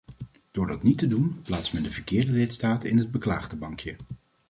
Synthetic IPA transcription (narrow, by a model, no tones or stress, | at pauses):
d̥ʊːɹdɑtnitədunplaːtsmɛndəvəɹkɪːɹdəlɪtstaːtɪnɦəd̚bəkla̰ːχdəbɑŋkjə